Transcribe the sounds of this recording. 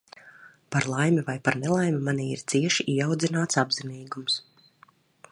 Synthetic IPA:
paɾlˠajmivajpaɾnɛlˠajmimaniːiɾt̪siɛʃiʔiɛawd̪zinaːt̪sabziniːɡums

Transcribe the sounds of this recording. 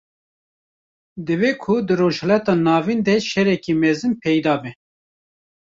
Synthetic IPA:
d̪ɨveːkʰʊd̪ɨɾoːʒhɛlɑt̪ɑːnɑːvind̪ɛʃɛɾɛkimɛzɨnpʰɛjd̪ɑːbɛ

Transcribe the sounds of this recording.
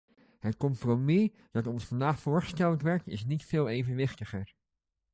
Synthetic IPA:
ɦətkɔmpromi | d̥ɑtɔnsfɑndaːχfʊːɹχə̥stɛləntʋɛɹk̚tɪ̰snitfɪːlˠejvənʋɪχtəχəɹ

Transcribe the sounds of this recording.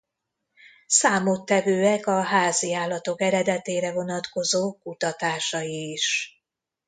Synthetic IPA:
saːmot̪ːɛvøːɛkɒɦaːziaːlːɒt̪o̞kɛɾɛd̪ɛt̪eːɾɛvo̞nɒt̪ko̞zoːkut̪ɒt̪aːʃɒjiːʃ

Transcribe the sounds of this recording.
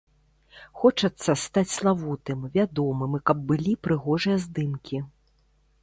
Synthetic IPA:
xɔt͡ʂɐt̪sːɐst̪at͡sʲslˠavut̪ɨmvʲad̪ɔmɨmɨkɐb̚ːɨlʲipɾɨɣɔʐɨjɐzd̪ɨmkʲi

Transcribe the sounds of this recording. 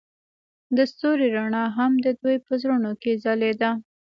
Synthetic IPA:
d̪əst̪oɾiɾaɳɑɦamd̪əd̪ujpəzɾunokezaled̪a

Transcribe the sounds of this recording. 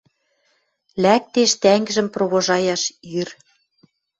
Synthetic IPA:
læk̚t̪eʃt̪æŋɡɘ̆ʒɘ̆mproβoʒɑjɑʃjyr

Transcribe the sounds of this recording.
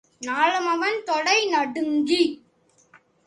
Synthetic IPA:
naːɭɯmɐʋɐnt̪ɔɽɐɪnɐɽɯŋɡi

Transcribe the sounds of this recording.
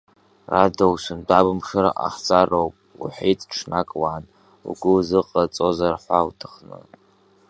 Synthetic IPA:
radawsʷɨndabɨmʂɨɾa̰ʔaħt͡sʼarowpʼ | ṵħitʼʈ͡ʂʰnakʼwaːn | ṵɡʷʊzɨqʼat͡sʼozarħʷawtʰɨχnɨ̰

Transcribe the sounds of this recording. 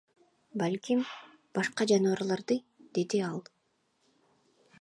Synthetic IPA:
balʲkʲim | b̥ɑʃqɑd͡ʒɑnuβɑɾlˠɑɾd̪ɯ | d̪̥e̞d̪iɑlˠ

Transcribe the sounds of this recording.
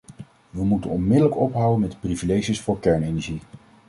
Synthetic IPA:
ʋəmutənɔnmɪdələkɔpɦʌwənmɛtprivilejʒəsfʊːɹkɛɹnejnɛɹʒi

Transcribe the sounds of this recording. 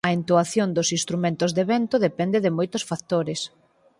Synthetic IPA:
ɐent̪uaθjond̪osinst̪ɾumẽnt̪ozðeβɛnt̪ʊðepɛnd̪ɪðɪmojt̪ʊsfak̚t̪oɾɪs

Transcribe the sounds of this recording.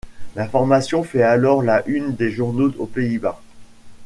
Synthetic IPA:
lãfɔʁmasjɔ̃fɛalɔʁlaʔynd̪eʒuʁnoopeiba

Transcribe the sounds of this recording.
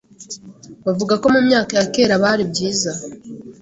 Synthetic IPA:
βavuɡako̞mumɲaːkajake̞ːɾaβaɾibɟiːza

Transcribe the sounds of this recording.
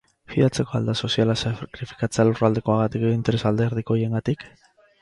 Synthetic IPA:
fiðat͡se̞ko̞a̰ld̪aso̞sialasakɾifi̥kat͡sealurald̪e̞ko̞aɣat̪ikint̪eɾe̞sald̪e̞ɾð̞iko̞jeŋɡat̪ik

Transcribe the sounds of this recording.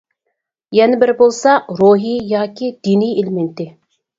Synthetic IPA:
jɛnɪbɪɾbolˠsɑɾoɦijɑːkʲʰid̪̥inijelɪment̪ɪ

